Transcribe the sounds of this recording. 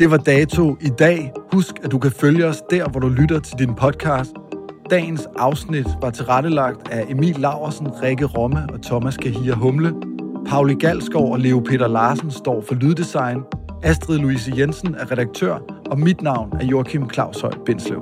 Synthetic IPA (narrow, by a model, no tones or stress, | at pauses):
d̥e̝ʋɑ̈d̥ɛːt͡sʰo̝id̥ɛ̰ːhusɡ̥æd̥ukʰæføljəɒ̽sd̥æɐ̰ʋɒɾ̥ulyɾɐt͡sʰe̝ld̥inpʰɒ̽d̥̚kʰɑ̈ːsd̥ɛ̰ːn̩sʔɑ̈ʊsnid̥ʋɑ̈t͡sʰe̝ʁɑɾ̥əlɑ̈ɡ̥̚d̥æʔe̝mḭːlːɑ̈ʊ̰ɐsn̩ʁɛɡ̥əʁɒ̽məʔɒ̽t͡sʰɒ̽mæskʰæɦiːɐɦɔ̽mləpʰɑ̈ʊliɡ̥æl̰sɡ̥ɒʊɒ̽le̝opʰe̝̰ːd̥ɐlɑːsn̩sd̥ɒ̰ːfɒ̽lyðˠd̥isɑ̈ɪn | æsd̥ʁiðˠluis̬əjensən̩æɐʁɛɾ̥ɑ̈ɡ̥̚t͡sʰø̰ɐ̰ɒ̽mid̥nɑ̈ʊ̰næɐjo̝ɐkʰimkʰlɑ̈ʊ̰sɒ̽ɪ̰b̥e̝n̰sləʊ